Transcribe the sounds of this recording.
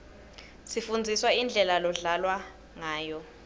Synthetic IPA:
sifund͡zʱiswaind͡ɮʱɛlalɔɮalwa | ŋaːjɔ

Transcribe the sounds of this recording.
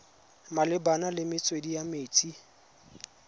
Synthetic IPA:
malɪbanalɪmɪt͡sʼwedijameːt͡sʼi

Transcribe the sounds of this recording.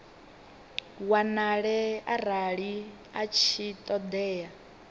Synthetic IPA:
wanaɺɛaɾaɺi | at͡ʃʰit̪ʼɔd̪ɛːja

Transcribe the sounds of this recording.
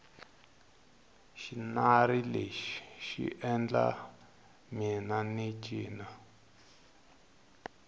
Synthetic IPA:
ʃinaɾileʃi̥ʃḭʔɛnd͡ɮa̰ | minanit͡ʃiːna

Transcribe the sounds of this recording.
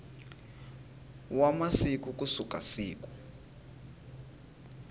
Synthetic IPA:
wamasikukusuka̰siːku̥

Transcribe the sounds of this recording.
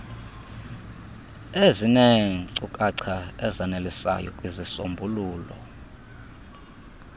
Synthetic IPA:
ezineŋiǀukʼaǀʰaɛzanelisa̰jɔ̰kʼwizisombʱuluːlɔ

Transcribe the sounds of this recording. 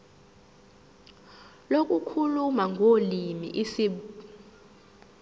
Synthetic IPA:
lokʼukʰulumaŋʱolimḭʔisiɓ

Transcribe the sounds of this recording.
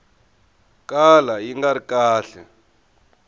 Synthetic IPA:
kalajiŋɡaɾikaːɬɛ

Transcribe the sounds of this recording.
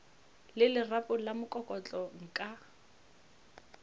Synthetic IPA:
lɪlɪrapʼʊlamʊkʼɔkʼɔt͡ɬʼɔŋ̩kʼa

